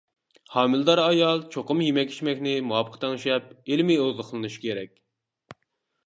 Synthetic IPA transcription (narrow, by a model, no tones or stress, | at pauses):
hɑːmɨlˠd̪ɑɾɑjɑlˠt͡ʃʰoqʊmjimɛkʲi̥ʃmɛkʲnɪmuɑpʰəqt̪ʰɛŋʃɛp̚elmiozðəχʰəlˠɨnɨʃi̥kʲʰeɾɛkʲ